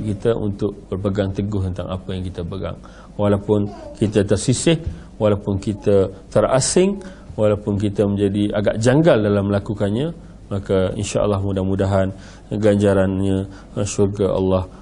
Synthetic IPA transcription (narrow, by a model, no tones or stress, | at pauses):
kit̪əʔṵnt̪ʊk̚b̥ərbəɡaŋt̪əɡʊht̪ənt̪a̰ŋʔa̰pəjaŋkit̪əbəɡa̰ŋ | walawpʊnkit̪ət̪ərsisɪh | walawpʊnkit̪ət̪əra̰sɪŋ | walawpʊnk̬it̪əmə̃ɲd͡ʒadiaɡaʔd͡ʒaŋɡaldalamːəlakukanɲã | makaḭnʃa̰ʔə̰lːɑhmudahmudaɦan | ɡaɲd͡ʒaɾanɲã | ʃurɡaʔa̰lːɑh